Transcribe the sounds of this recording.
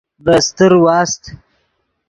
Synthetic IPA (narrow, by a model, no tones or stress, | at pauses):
d̪əst̪əɾwɑːst̪